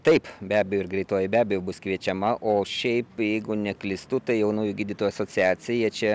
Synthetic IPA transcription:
t̪ɐɪpbʲæːbʲɛjoɪɾɡɾʲɛɪt̪oːjɪbʲæːbʲɛjoːbʊskʋʲiɛt͡ʃʲɛmɐʔoːʃʲɛɪpjɛɪɡʊnʲɛklʲɪst̪ut̪ɐɪjɛʊnuːjʊɡʲiːd̪ʲiːt̪oːjɐsoːt͡sʲɪæːt͡sʲɪjɛjiɛt͡ʃʲɛ

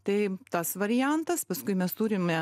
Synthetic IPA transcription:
t̪ɐɪt̪ɐsʋɐɾʲɪjænt̪ɐspɐskʊɪmʲɛst̪uːɾʲɪmɛ

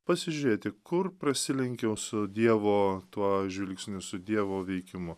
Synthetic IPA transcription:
pɐsʲɪʒʲʊɾʲeːt̪ʲɪkʊrpɾɐsʲɪlʲɪŋʲkʲɛʊsʊd̪ʲiɛʋoːt̪uɔʒʲʋʲɪlʲksʲnʲʊsʊd̪ʲiɛʋoːʋʲɛɪkʲɪmʊ

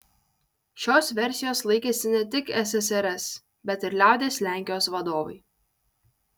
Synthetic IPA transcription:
ʃʲoːsʋʲɛɾʲsʲɪjoːslˠɐɪkʲeːsʲɪnʲɛt̪ʲɪkɛsɛsɛɾʲɛs | bʲɛt̪ɪɾlʲæˑʊd̪ʲeːslʲæːˑŋʲkʲɪjoːsʋɐd̪oːʋɐ̰ɪ

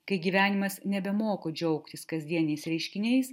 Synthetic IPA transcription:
kɐɪɡʲiːʋʲæːnʲɪmɐsnʲɛbʲɛmoːkoːd͡ʒʲɛʊkt̪ʲɪskɐzʲd̪ʲiɛnʲnʲɛɪsɾʲɛɪʃʲkʲɪnʲɛɪs

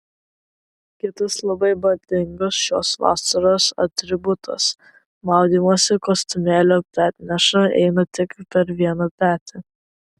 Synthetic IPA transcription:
kʲɪt̪ɐslˠɐbɐɪbɐd̪ʲɪŋɡosʃo̰ːsʋɑ̰ːsɐɾoːsɐ̰t̪ʲɾʲɪbʊt̪ʰɐ̰s | mɑˑʊd̪ʲiːmosʲɪkost̪ʊmʲeːlʲoːt̪ʲæːt̪ʲnʲɛʃɐɛ̰ɪnɐt̪ʲɪkpʲɛɾʋʲiɛnɐt̪ʲæːt̪ʲʰɪ

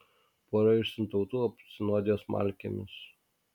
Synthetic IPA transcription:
poːɾɐʊʃʲsʲɪnt̪ɒʊt̪uːɐp̪ʲsʲɪnoːd̪ʲɪjoːsmʔɑ̰ˑlʲkʲemʲɪs

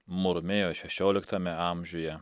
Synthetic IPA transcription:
mʊɾmʲeːjoːʃʲɛʃʲoːlʲɪkt̪ɐmʲɛɑˑmʲʒʲʊjɛ

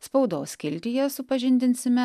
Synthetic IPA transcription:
spɒʊd̪oːskʲɪlʲt̪ʲɪjɛsʊpɐʒʲɪnʲd̪ʲɪnʲsʲɪmʲɛ

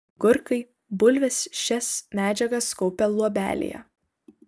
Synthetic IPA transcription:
ɡʊɾkɐɪ | bʊlʲʋʲɛsʃʲɛsmʲæːd͡ʒʲɛɡɐskɔʊpʲɛlˠuɔbʲæ̰ːlʲɪ̰jɛ̰

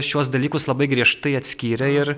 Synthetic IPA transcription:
ʃʲuɔs̬d̪ɐlʲiːkʊslˠɐbɐɪɡɾʲiɛʃt̪ɐɪɐt̪ʲsʲkʲiːɾʲɛɪɾ

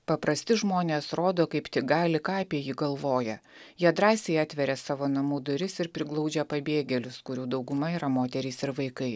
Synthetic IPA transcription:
pɐpɾɐsʲt̪ʲɪʒmoːnʲeːsɾoːd̪oːkɐɪpt̪ʲɪɡɑːlʲɪkɑːɐpʲiɛjiːɡɐlˠʋoːjɛjiɛd̪ɾɑːsʲeɪɑːt̪ʲʋʲɛɾʲɛsɑːʋoːnɐmuːd̪ʊɾʲɪsɪɾpʲɾʲɪɡlˠɐʊd͡ʒʲɛpɐbʲeːɡʲɛlʲʊskʊɾʲuːd̪ɐʊɡʊmɐiːɾɐmoːt̪ʲɛɾʲɛɪsɪɾʋɐɪkɐɪ

